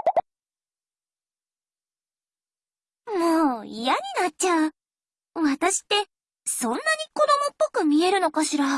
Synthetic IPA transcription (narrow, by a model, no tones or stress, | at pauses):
moːḭjaɲ̟inat̚t͡ɕaɯ̟ | βat̪aɕi̥t̪ːe̞ | sõ̞nːaɲ̟iko̞d̪o̞mo̞pːo̞kɯ̟mʲie̞ɾɯ̟no̞kaɕiɾa